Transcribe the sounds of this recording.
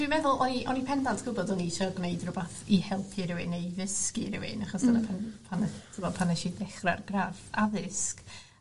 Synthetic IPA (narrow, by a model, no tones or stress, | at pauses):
d̥wimɛðʊlˠʔɔniʔɔnipʰɛndantʰɡ̥ʊbɔdɔniʃɔɡneɨdrʊbaθihɛlˠpʰiɾɪwɪnejvɪskiɾɪwɪ̰naχɔsanapʰanpʰanɛtʰɪmɔpʰanɛʃidɛχra̰rɡrafaðɪsk